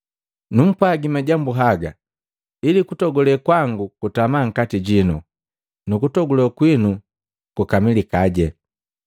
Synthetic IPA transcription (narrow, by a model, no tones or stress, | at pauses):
num̩pwaɡimaɟambuɦaɡa | ilikutɔɡɔlɛkwaŋɡukutamaŋ̩katiɟinu | nukutɔɡulɔkwinu | kukamilikaɟɛ